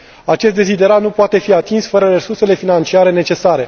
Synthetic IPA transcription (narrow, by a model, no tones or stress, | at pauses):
at͡ʃe̞st̪̚d̪ezid̪e̞ɾanupoat̪e̞fiat̪insfəɾəre̞surse̞le̞finant͡ʃiaɾe̞ne̞t͡ʃe̞saɾe̞